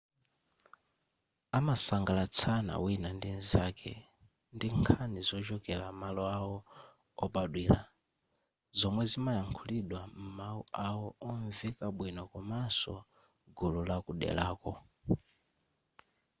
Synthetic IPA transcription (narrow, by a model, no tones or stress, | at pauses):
amasaŋɡalat͡sʰana̰winandinzakʰɛ̰ | ndiŋkʰanizɔt͡ʃɔkɛlamalɔawɔ | ɔpaɗwiːla̰ | zɔmwɛzimajaŋkʰuliɗwam̩mauawɔɔɱvikaɓwinɔkumasɔ | ɡululakuɗɛ̰laːkɔ